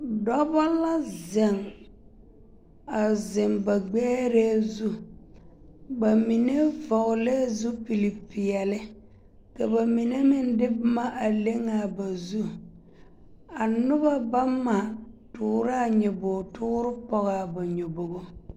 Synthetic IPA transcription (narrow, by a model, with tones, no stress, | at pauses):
dɔ˦bɔ˦la˦ze˨ŋ | a˨zɪ˨ŋba˨ɡ͡bɛː˦ɾe˦zu˦ | ba˨mi˨ne˦vɔ˨ʊ˨le˦zu˦pi˨li˨pi˨ɛ˨lɪ˦ | ka˨ba˨mi˨ne˦mɪ˦n˦dɪ˦bma˦ʔa˨le˦ŋa˨ba˨zu˦ | a˨nʊ˦ba˦ba˦mːa˨tʊː˨˦ɾɪ˦a˨ɲɛ˨bʊ˨tʊ˦ɾɪ˦pɔ˦ɣa˨ba˨ɲo˨bo˨ɣo˦